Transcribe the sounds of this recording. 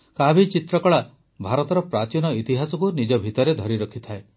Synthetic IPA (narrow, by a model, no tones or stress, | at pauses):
kabʱit͡ʃit̪ɾɔkɔɭa | bʱaɾɔt̪ɔɾɔpɾat͡ʃinɔit̪iɦasɔkunid͡ʒɔbʱit̪ɔɾed̪ʱɔɾiɾɔkʰit̪ʰae